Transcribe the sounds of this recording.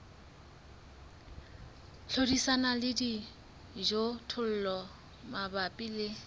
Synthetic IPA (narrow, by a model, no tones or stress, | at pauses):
ɬʰodisanalɪdi | d͡ʒotʰʊl̩lɔ | mabapʼilɪ